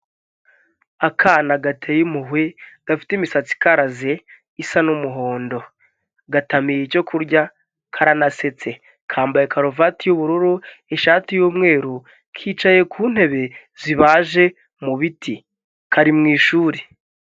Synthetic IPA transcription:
akʰaːnaɡatʰeːjimuɦweɡ̥afi̥timisat͡si̥kaɾaze | isanumuɦo̞ːndo̞ | ɡatamijico̞kʰuɾɟa | kʰaɾanase̞t͡se̞ | kʰaːmbajekʰaɾovatijuβuɾuɾueʃaːtijuːmŋe̞ːɾu | kʰiːt͡ʃaje̞kʰuːn̥he̞βe̞ | ziβaːʒe̞ | muβiti | kaɾimŋiːʃuːɾe

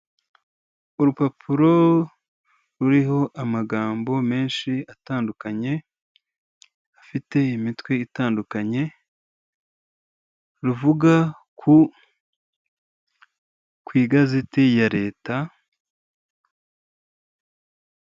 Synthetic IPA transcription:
uɾupapʰuɾo̞ | ɾuɾiɦo̞ʔamaɡaːmbo̞me̞ːnʃiataːndukaɲe̞ | afite̞imitwe̞itaːndukaɲe̞ | ɾuvuɡa | kʰu | kwiːɡazitijaɾe̞ːta

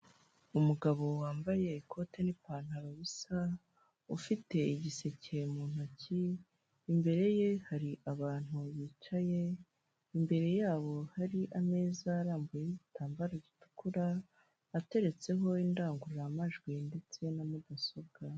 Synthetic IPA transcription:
umuɡaβo̞waːmbaje̞ikʰo̞te̞nipaːn̥aβaβisa | ufite̞iɟise̞cemuːn̥aciː | mbe̞ɾe̞je̞haɾiʔaβaːn̥huβiːt͡ʃaje̞ | imbe̞ɾe̞jaːβo̞haɾiʔame̞ːzaːɾaːmbujeiɟitʰaːmbaɾaɟitu̥kuɾaː | te̞ɾe̞t͡se̞ɦo̞indaːŋɡuɾɾamaʒɡwinde̞t͡se̞namudaso̞bɡ̥a

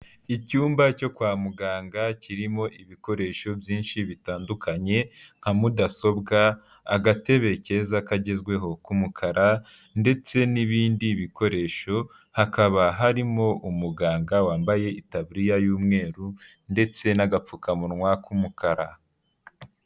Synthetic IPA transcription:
icuːmbaco̞kwaːmuɡaːŋɡacʰiɾimo̞ʔiβiko̞ɾe̞ːʃo̞bjiːnʃiβitaːndukʰaɲe̞ŋ̥hamudaso̞bɡaː | ɡate̞βe̞ce̞zakaɟe̞zɡwe̞ɦo̞kumukʰaɾa | nde̞t͡se̞niβiːndiβiko̞ɾe̞ʃo̞ | hakaβaɦaɾimo̞ʔumuɡaːŋɡawaːmbaje̞itaβɾijajuːmŋe̞ːɾu | nde̞t͡se̞naɡap͡fukamuɾŋwakumukaɾa

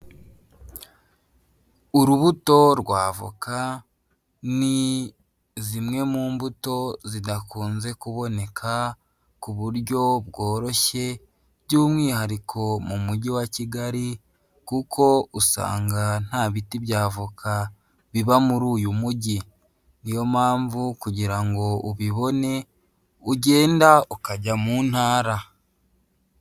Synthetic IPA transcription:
uɾuβuto̞ɾɡwaːvṵka | ni | zimŋe̞muːmbuto̞zidakuːnze̞kuβo̞ne̞kʰa | kuβuɾɟo̞bɡo̞ːɾo̞çe̞ | ɟuːmŋiːhaɾikʰo̞mumuɟiwaciɡaɾi | kukʰo̞usa̰ːŋɡan̥haβitiβjaːvukʰa | βiβamuɾuːjumuɟi | nijo̞maːɱvukuɟiɾaŋɡo̞uβiβo̞ne̞ | uɟe̞ːndaukaɟamuːn̥haːɾa

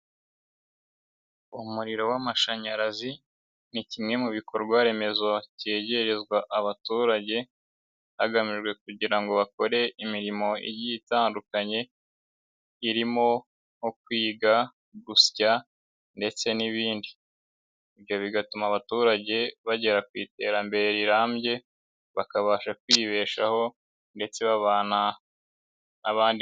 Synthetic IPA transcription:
umuɾiɾo̞wamaʃaɲaɾazi | nicimŋe̞muβiko̞ɾɡwaɾe̞me̞zo̞ceːɟe̞ɾe̞zɡwaʔaβatuɾaɟe̞ | haɡamiʒɡwe̞kuɟiɾaŋɡo̞βako̞ɾe̞imiɾimo̞ḭɾjiːtaːndukaɲe̞ | iɾimo̞ | hok̚wiːɡa | ɡusca | nde̞t͡se̞niβiːndi | iβjo̞βiɡatumaβatuːɾaɟe̞βaɟe̞ɾakwiːte̞ːɾambe̞ɾiɾaːmɟe̞ | βakaβaːʃakwiːβe̞ːʃaho̞ | nde̞t͡se̞βaβaːna | naβaːndi

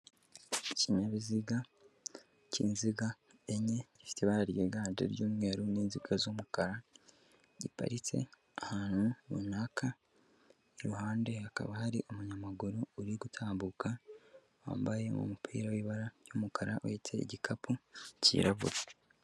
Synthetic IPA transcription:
ciɲaβiziɡa | cḭːnziɡa | eɲe̞ɟifi̥teβaɾaɾjeɡaːndḛɾjuːmŋe̞ːɾuniːnziɡazomukaɾa | ɟipa̰ɾit͡se̞̰ | ahaːn̥huβṵnaka | iɾuhaːnde̞aka̰βahaɾiʔomuɲamaɡuɾouɾiɡutʰaːmbuka | wa̰ːmbaje̞mṵmupʰḭːɾawiːβaɾaɾjomukʰaɾaʔṵjetʰe̞ḭɟikʰapʰucḭːɾaβṵɾa

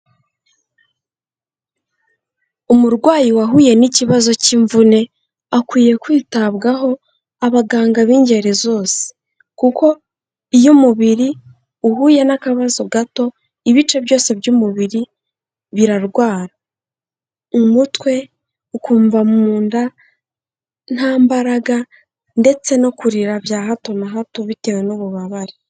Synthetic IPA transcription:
umuɾɡwaːjiwaɦuːje̞niciβazo̞ciːɱvune̞ | akwiːje̞kwiːtaβɡaɦo̞ | aβaɡaːŋɡaβiːɲɟe̞ɾe̞zo̞ːse̥ | kuko̞ | ijumuβiɾi | uɦuːje̞nakaβazo̞ɡato̞ | iβit͡ʃe̞βjo̞ːse̞bjumuβiɾi | βiɾaɾɡwaːɾa | umutwe̞ | ukuːɱvamuːnda | n̥haːmbaɾaɡa | nde̞t͡se̞no̞kuɾiɾavjaːɦato̞naɦato̞βite̞we̞nuβuβaβaɾi

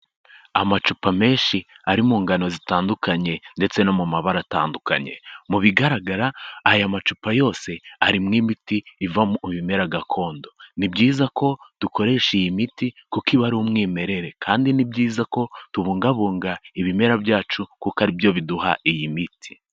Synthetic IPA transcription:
amat͡ʃupame̞ːnʃi | aɾimuːŋɡano̞zitaːndukaɲe̞nde̞t͡se̞no̞mumaβaɾata̰ːnduka̰ɲe̞̰muβiɡaɾaɡaɾaːjamat͡ʃupajo̞ːse̞aɾimŋiːmitiːvamβime̞ɾaɡakʰo̞ːndo̞nibɟiːzako̞d̥uko̞ɾe̞ʃijimitikukiβaɾumŋiːme̞ɾe̞ɾe̞kʰaːndinibɟiːzako̞tuβuːŋɡaβuːŋɡaiβime̞ɾabjaːt͡ʃukukaɾibjo̞βiduha̰ʔijimitʰi̥

